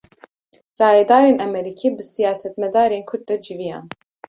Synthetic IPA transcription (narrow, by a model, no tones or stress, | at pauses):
rɑːjɛd̪ɑːɾeːnɛmɛɾikʰiːbɨsijaːsɛt̪mɛd̪aːɾeːnkʰʊɾd̪̚d̪ɛd͡ʒivijɑ̰ːn